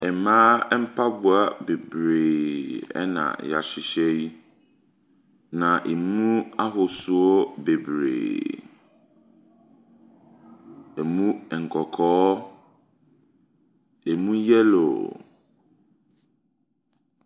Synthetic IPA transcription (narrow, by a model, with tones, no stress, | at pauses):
ɛ˨mãː˦ɛ˦m̩˦pʰa˦bʊ˨a˨be˨bɾeː˨ɛ̰˦nã̰˨ja̰˨ɕɪ˨ɕɛ˦i˦ | nã˨ʔe˨mũ˦a˦ɦʊ˨sʊ˨o˦be˨bɾḛː˨ | ɛ˨mũ˦ɛ˨ŋ̩˨kʰɔ˨kʰɔː˦ | e˨mũ˦jɛ˦lo̰˨